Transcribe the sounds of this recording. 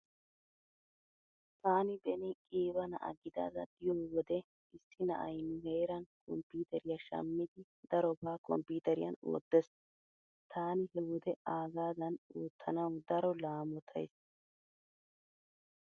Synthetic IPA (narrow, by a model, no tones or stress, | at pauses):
t̪aːnɪbɛnɪkʼiːbɐnɐ̰ʔɐ̰ɡɪd̪a̰ːd̪ɐɡ̪ɪjoːwɔd̪ɛ | ɪsːɪnɐʔɐjnʊheːɾɐnkʼɔmpːiːt̪ɛɾɪjaʃɐ̰mːɪd̪ɪ | d̪ɐɾɔbaːkʼɔ̰mpːiːt̪ɛɾɪjɐ̰no̰ːd̪ːɛs | t̪ʰaːnɪhɛwɔd̪ɛaːɡaːd̪ɐnuːt̪ʰːɐnɐwd̪ɐɾɔlaːmɔt̪ʰɐ̰js